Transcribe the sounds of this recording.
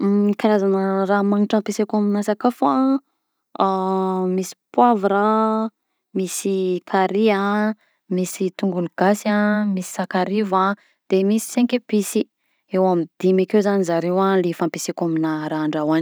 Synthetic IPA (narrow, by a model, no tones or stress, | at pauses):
ikaɾazanəramaŋiʈ͡ʂãmpesekaminasakafa | misi̥pwavɾa | misikʰaɾia | misit̪uŋɡunuɡ̥asamisi̥sakaɾiva | d̪̥emisi̥seŋkebisi | ewamid̪̥imakewzanizaɾewalefampesekaminaɾaːɳɖ͡ʐawan